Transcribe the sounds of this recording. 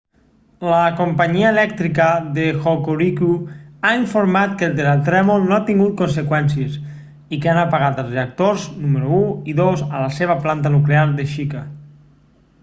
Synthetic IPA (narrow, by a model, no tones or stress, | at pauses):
ləkompaɲiəelɛkt̪ɾikəðexokoɾikuaiɱfoɾmat̪̚kelˠd̪eɾalt̪ɾɛmolˠnoat̪iŋɡut̪̚konsekwɛnsies | ikeanapaɣat̪əlˠzreak̚t̪oɾznuməɾuuiðozə̰laseβ̞əplant̪̬anukleaɾðeʃika